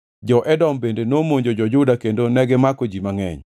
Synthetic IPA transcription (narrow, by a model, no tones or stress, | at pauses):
d͡ʒɔʔɛdɔmbendenomoɲd͡ʒod͡ʒɔd͡ʒʊdakendonɛɡɛmakod͡ʒimaŋɛ̰ɲ